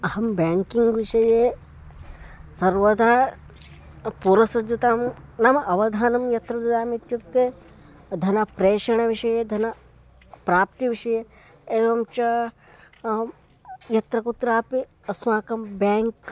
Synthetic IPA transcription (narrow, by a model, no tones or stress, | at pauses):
ɐhɐmbʲaːŋkiŋɡʋiʃɐjeː | sɐɾʋɐd̪ʱa | puɾɐsɐd͡ʒut̪aːmnɐmɐʔɐʋɐd̪ʱaːnɐmjɐt̪ɾɐd̪id̪aːmit̪jukt̪eː | d̪ʱɐnɐpɾeːʃɐɳ̃ɐʋiʃɐjeːd̪ʱɐnɐ | pɾaːp̚t̪iʋiʃɐje | eːʋɐmt͡ʃɐ | jɐt̪ɾɐkut̪ɾaːpi | ɐsmaːkɐmbaːŋk